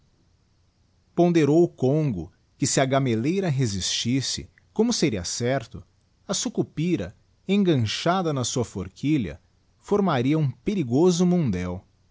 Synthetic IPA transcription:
põnd̪eɾowʊkõŋɡʊ̰ | kɪsɪɐɡamelejɾɐɦezist͡ʃisɪ̰ | kõmʊseɾiɐ̰sɛɾt̪ʊ | ɐsukupiɾɐ̰ | ẽŋɡɐ̃ʃad̪ɐnɐsuɐfoɾkʰiʎɐ̰ | foɾmaɾiɐũpeɾiɡozʊmõnd̪ɛw

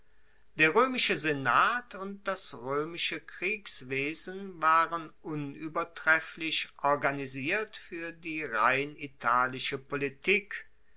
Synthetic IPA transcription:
d̥eːɐʁ̞øːmɪʃəzenaːtʰʊnt̚d̥asʁøːmɪʃəkʁ̥iːksv̥eːzn̩vaːʁənʔʊnyːbɐtʁ̥ɛflɪʃʔɔɐɡaniziːɐtfyːɐdiːʁaɪnitʰaːlɪʃəpolitiːk

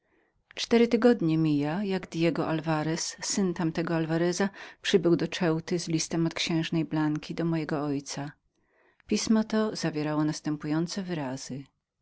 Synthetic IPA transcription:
t͡ʂt̪ɛɾɘt̪ɘɡɔd̪ɲɛmʲijajaɡd̪ʲjɛɡɔʔalvaɾɛsːɘnt̪amt̪ɛɡɔalvaɾɛzapʂɘbɘwd̪ɔt͡ʂɛwt̪ɘzlʲist̪ɛmɔt̪kɕɛ̃w̃ʐnɛjblaŋkʲid̪ɔmɔjɛɡɔɔjt̪sa | pʲismɔt̪ɔzavʲjɛɾawɔnast̪ɛmpujɔnt̪sɛvɘɾaz̥ɘ

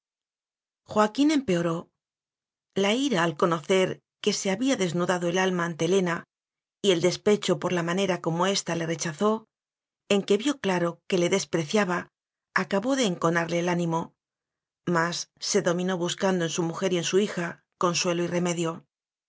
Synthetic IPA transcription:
xwakine̞mpe̞o̞ɾo̞ | laiɾaːlko̞no̞θe̞ɾ | ke̞se̞aβiaðe̞znuðaðo̞e̞lalmant̪e̞le̞na | ie̞ld̪e̞spe̞t͡ʃo̞po̞ɾlamane̞ɾako̞mo̞e̞st̪ale̞re̞t͡ʃaθo̞ | e̞ŋke̞βjo̞klaɾo̞ke̞le̞ðe̞spɾe̞θjaβaː | kaβo̞ðe̞ːŋko̞naɾle̞ːlanĩmo̞ | masːe̞ðo̞mĩno̞βuskand̪oe̞nsumuxe̞ɾie̞nsuixa | ko̞nswe̞loire̞me̞ðjo̞

